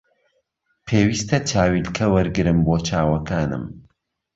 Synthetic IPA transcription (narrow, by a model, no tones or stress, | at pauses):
pʰeːwist̪ʰɐt͡ʃʰaːwilkʰɐwɐɾɡɨɾɨmboːt͡ʃʰaːwɐkaːnɨ̰m